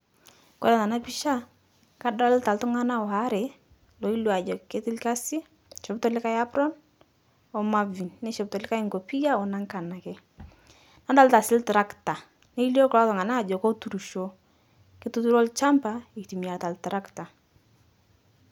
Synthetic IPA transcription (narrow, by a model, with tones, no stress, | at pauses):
ko̰˦ɾɛ˨na˨na˦pi˦ʃa˦ | ka˦da˦lta˨ltʊ˦ŋa˦na˦ɔ˨ha˦ɾe˨ | lo˨i˦lu˨a˨d͡ʒɔ˨ke˦tɪ˦lka˦si˦ | ʃɔ˨btɔ˦lɪ˦ka˦ja˦bɾɔ˦n | ɔ˦ma˦vi˨nːe˦ʃɔ˨btɔ˨lɪ˦ka˦ɪ˦ŋɡo˨pi˦ja˦ɔ˨na˦ŋka˨na˨kɪ˦ | na˦da˦lta˨sɪ˦ltɾa˦kta˨ | ne˦i˦ljo˦klɔ˦tɔ˨ŋa˨na˦˨d͡ʒɔ˨ko˦tu˨ɾu˨ʃo˦ | kɪ˦tu˦tu˦ɾɔ˦lt͡ʃa˦mpa˨i˨tu˨mi˨a˨ta˨ltɾa˦kta˨